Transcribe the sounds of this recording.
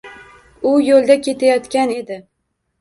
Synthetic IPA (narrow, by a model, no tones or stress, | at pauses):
ʊjolˠd̪akʲʰe̞t̪ʰajɒt̪kʲane̞d̪ɪ